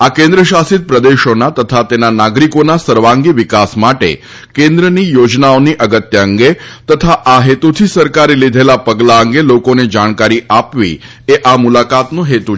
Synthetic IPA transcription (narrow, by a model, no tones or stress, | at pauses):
akẽnd̪ɾəʃasit̪̚pɾəd̪eʃonat̪ət̪ʰat̪enanaɡɾikonasəɾʋaŋɡiʋikasmaʈḛ | kẽnd̪ɾənijod͡ʒnaoniʔəɡət̪jəəŋɡet̪ət̪ʰaʔaɦet̪ut̪ʰisəɾkaɾilid̪ʱelapəɡlaəŋɡelokoned͡ʒaɳ̃kaɾiʔapʋḭ | eʔamulakat̪nũɦet̪u